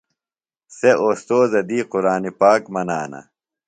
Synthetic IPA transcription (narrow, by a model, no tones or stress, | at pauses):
seʔoːst̪oːzɐd̪iːquɾaːnipaːkmɐna̰ːnɐ̰